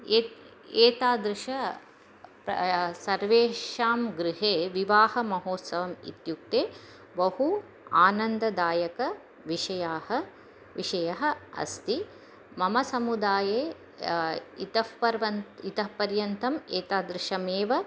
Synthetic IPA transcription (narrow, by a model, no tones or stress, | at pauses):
e | eːt̪aːd̪ɾɪʂɐ | psɐɾʋeːʃaːmɡɾɪɦeːʋiʋaːhɐmɐɦoːt̪sɐʋɐmḭt̪juk̚t̪eː | bɐhu | aːnɐnd̪ɐd̪aːjɐkɐ | ʋiʂɐjaːhɐ | ʋiʂɐjɐɦɐ̆ɐ̰st̪i | mɐmɐsɐmud̪aːjeː | it̪ɐhpɐɾʋɐnit̪ɐɦpɐɾjɐnt̪ʰɐmeːt̪aːd̪ɾɪʃɐmeːʋɐ